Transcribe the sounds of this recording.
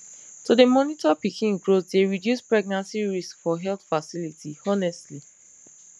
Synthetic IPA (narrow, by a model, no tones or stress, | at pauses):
tudemɔnitɔpikʰĩnɡɹotdeɹidjuspɹɛɡ̚nãnsiɹiskfɔɦɛlt̪fasilitʰiɔnɛstli